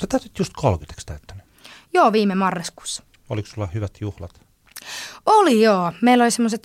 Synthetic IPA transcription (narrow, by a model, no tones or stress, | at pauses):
set̪æyt̪yt̪just̪kʰolkit̪e̥kst̪æyt̪ːæny | joːʋiːmemɑrːɑsku̥ːsːɑ̥ | o̰liksulːɑhyʋæt̪juhlɑt̪ | olijoːmeilːolisemːoset̪